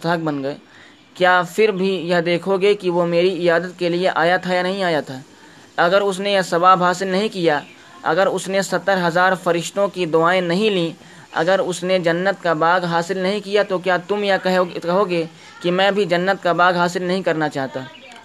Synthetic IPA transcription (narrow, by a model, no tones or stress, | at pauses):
t̪əːɡ̚bɐnɡəe | kjaːfɪɾbʱijɐɦd̪eːkʰoɡekiʋomeːɾiɪjaːd̪ət̪̚kelieʔaːjat̪ʰajanɐɦĩaːjat̪ʰaː | ɐɡəɾʊsnejɐsɐbaːbɦaːsɪlnɐɦĩkija | ɐ̰ɡəɾʊsnesɐt̪ːəɾɦɐzaːɾfɐɾɪʃt̪õkid̪ʊaːẽnɐɦĩlĩː | ɐ̰ɡəɾʊsned͡ʒɐnːət̪kabaːɡɦaːsɪlnɐɦĩkijat̪okjaːt̪ʊmjaɦkɐɦoɡeː | kimɛ̃ːbʱid͡ʒɐnːət̪kabaːɡɦaːsɪlnɐɦĩkɐɾnat͡ʃaːɦt̪aː